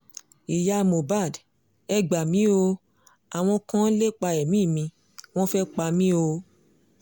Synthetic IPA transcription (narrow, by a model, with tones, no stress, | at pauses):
i˨ja˧mo˨ba˦˨d | ɛ˧ɡ͡ba˨mĩ˨˦o˧ | a˨w̃ɔ̃˧kã˦le˦k͡pa˧ɛ˨mĩ˦˨mĩ˧ | w̃ɔ̃˦fɛ˦k͡pa˧mĩ˦o˧